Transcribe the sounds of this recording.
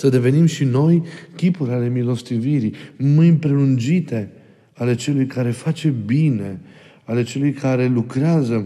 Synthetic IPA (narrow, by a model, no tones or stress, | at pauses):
səd̪e̞ve̞nimʃino̞jkʲipuɾʲale̞milo̞st̪iviɾimɨjmpɾe̞lund͡ʒit̪e̞ | ale̞t͡ʃe̞lujkʰaɾe̞fat͡ʃe̞bine̞ | ale̞t͡ʃe̞lujkʰaɾe̞lukɾeazə